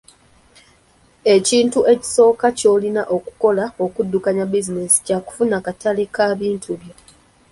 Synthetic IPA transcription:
e̞ciːntuʔe̞ci̥so̞ːkaco̞ːlinaʔo̞ku̥ko̞lao̞kudːukaɲabizine̞si̥caku̥funakatalekaβiːntʰuβjo̞

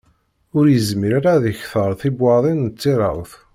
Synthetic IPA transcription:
ʊɾjəzmiɾaɾaðəçθəɾˤθibwɑɾðˤinət͡sːiɾˤɑ̰wθ

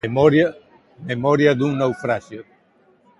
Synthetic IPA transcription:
mɔɾa | memɔɾjad̪uŋnawfɾasjo

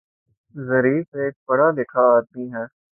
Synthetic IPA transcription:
zɐɾiːfeːk̚bɐɽad̪ɪkʰaːd̪̚miɦɛː

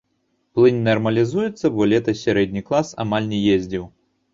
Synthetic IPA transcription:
plˠɨnʲnɐrmɐlʲizujɛt̪sːɐbɔlʲɛt̪ɐsʲaɾɛd̪ʲnʲiklˠasa̰malʲnʲɛjezʲd͡zʲiw

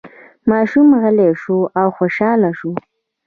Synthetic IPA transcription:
mɑʃumɣəleʂuawxoʃɑlaʃu

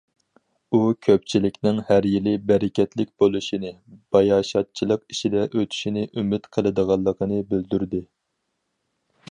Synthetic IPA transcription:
ukʲʰøp̚t͡ʃʰilɪkʲnɪŋhæɾjilɪbɛɾɪkʲʰɛt̪lɪkʲbolˠuʃinɨb̥ɑjɑːʃɑt̪̚t͡ʃʰilˠəqiʃid̪ɛʔøt̪ʰy̥ʃinɪʔymɪt̪qʰəlˠɨd̪əʁɑlˠːəqʰənɨbɪld̪yɾd̪ɪ

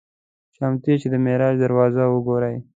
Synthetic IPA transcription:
ʃamt̪it͡ʃed̪əmeɾɑd͡ʒd̪aɾwɑzawəɡoɾaj

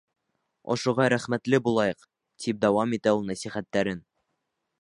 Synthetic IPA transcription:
ŏ̰ʃŭʁɑɾæχmæt̪lɘbulˠɑjɤq | t̪ʰip̚d̪æwɑmit̪æulˠnæsiχæt̪ːæɾɘn

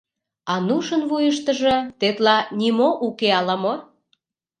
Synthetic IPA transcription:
ɑnuʃənvujəʃ̬t̪ə̆ʒĕt̪et̪lɑnʲimoʔukeɑlɑmo

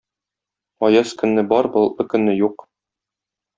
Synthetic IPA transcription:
ɒjɑskɵ̆nːɘbɒɾbɤ̆lˠɤ̆kɵ̆nːɘjuq

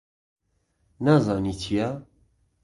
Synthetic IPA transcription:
nazɑnit͡ʃʰija

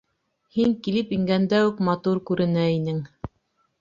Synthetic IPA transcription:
hiŋkilɘpiŋɡænd̪æʉkmɑt̪uɾkʉɾɘ̆næinɘŋ

